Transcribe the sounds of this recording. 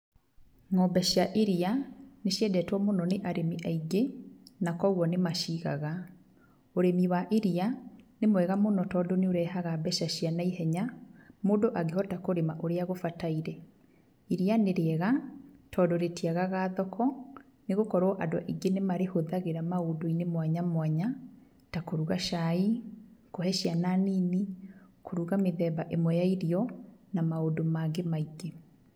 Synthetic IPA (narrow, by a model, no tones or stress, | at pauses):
ŋɔbɛɕjaʔiɾianeɕjɛdɛtwɔmonɔneʔaɾʔemiʔaiɡenakɔɣwɔnemaʃiɣa̰ɣa | oɾemiwaʔiɾianemwɛɣamonɔtɔdoneoɾɛhaɣabɛʃaɕianaiɦɛɲamodoʔaɡehɔtakoɾemaʔoɾeaɣofataiɾɛ | iɾianeɾeɛɣatʰɔdoɾetiaɣaɣaðɔkʰɔ | neɣokɔɾwɔʔadoa̰ʔiɡenemaɾehoðaɣeɾamaodoinemwaɲamwaɲa | takoɾuɣaʃaikohɛʃiananiːnikoɾuɣameðɛːbaʔemwɛjaiɾiɔnamaodomaɡemaiɡe